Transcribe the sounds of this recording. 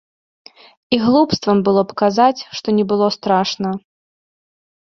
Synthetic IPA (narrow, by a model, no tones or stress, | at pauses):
iɣlˠupst̪vɐmbɨlˠɔpkazat͡sʲʂt̪ɔnʲɛbɨlˠɔst̪ɾaʂnɐ